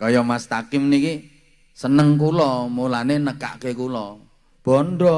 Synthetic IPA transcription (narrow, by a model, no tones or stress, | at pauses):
kɔjɔmast̪akɪmniki | sənəŋkulɔmulanenəka̰ʔkekulɔ | b̥ɔndɾɔ